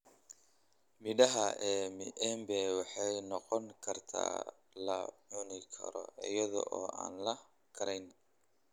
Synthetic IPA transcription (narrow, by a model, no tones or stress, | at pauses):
mɪɖɐɦɐʔɛːmɪɛmbɛwɑħɑjnɔqɔŋkʰɐrt̪ʰa̰ː | lɐʕʊnɪkʰɐ̰ɾɔ̰ɪjɐðɔ̰ʔɔːʔaːnlɐ | kʰɐɾɛjn